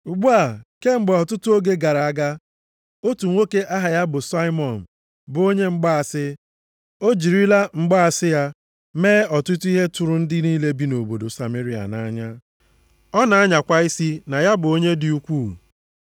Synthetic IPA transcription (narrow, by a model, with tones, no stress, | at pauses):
u˨ɡ͡bu˦a˨ke˦ŋ͡m̩˦ɡ͡ba˨ɔ˨tʊ˦tʊ˦o˦ɡe˦ɡa˨ɾa˨a˦ɡa˦ | o˦tu˨ŋʷo˦ke˦ʔa˦ɦa˨ja˦bʊ˨sa˦ɪ˦mɔ˨n̩˨ | bʊ˨o˦ɲe˦ŋ͡m̩˦ɡ͡ba˦a˨sɪ˦ | o˦d͡ʒi˨ɾi˦la˦ŋ͡m̩˦ɡ͡ba˦a˨sɪ˦ja˦ | meː˦ɔ˨tʊ˦tʊ˦i˦ɦe˦tʊ˨ɾʊ˦n̩˦dɪ˦niː˦le˦bi˦no˨bo˨do˨sa˨me˦ɾi˨a̰˨na̰˨˦ɲa˦ | ɔ˦na˨a˦ɲa˨kʷa˦i˦si˦na˨ja˦bʊ˨o˦ɲe˦dɪ˨u˦kʷuː˦˨